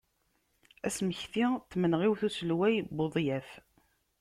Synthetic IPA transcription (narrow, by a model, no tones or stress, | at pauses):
æsməçθit̪ːmənʁiwθusəlwæjboðˤjæf